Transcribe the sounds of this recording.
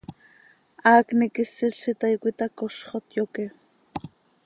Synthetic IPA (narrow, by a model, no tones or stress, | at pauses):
aːknikɪsːɪɬit̪ɑjkʷit̪ɑkoʃχot̪joke